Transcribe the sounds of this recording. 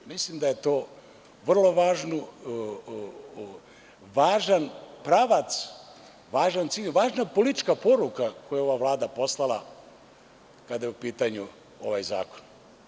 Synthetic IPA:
mislimd̪ajet̪o̞ː | ʋr̩lo̞ʋaːʒnu | ʋaːʒanpɾaʋat̪s | ʋaːʒant̪siːʎʋaːʒnapolit̪it͡ʃkapo̞ɾukakojao̞ʋaʋlˠaːd̪apo̞slˠalˠa | kad̪ajeupiːt̪aɲu | o̞ʋajza̰ːko̥n

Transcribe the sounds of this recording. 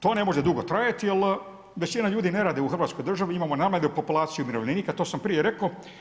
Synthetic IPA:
t̪o̞ːne̞mo̞ʒed̪uɡo̞t̪ɾajat̪ijel | ʋe̞t͡ɕinaʎuːd̪ine̞ɾaːd̪euxr̩ʋat̪ko̞jd̪r̩ʒaʋiimaːmonamledeupo̞pulˠaːt̪sijumiɾoʋlniniːkat̪o̞ːsampɾijeɾe̞koo

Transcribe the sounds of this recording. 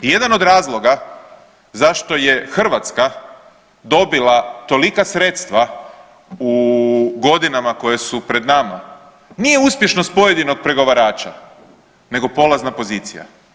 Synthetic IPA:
je̞d̪ano̞d̪ɾaːzlˠo̞ɡa | zaʃt̪o̞je̞xr̩ʋat̪ska | d̪o̞bilat̪o̞likasɾet̪st̪ʋa | uɡo̞d̪inamako̞jesupɾe̞d̪nama | nije̞uspjeʃno̞st̪̚po̞je̞d̪ino̞ɡ̚pɾe̞ɡo̞ʋaɾaːt͡ʃa | ne̞ɡo̞po̞lˠaznapo̞ziːt̪sija̰

